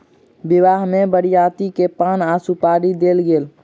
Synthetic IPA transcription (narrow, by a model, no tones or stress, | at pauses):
bɪʋaːɦmẽbəɽjaːt̪ikepaːnaːsupaːɾid̪eːlɡeːl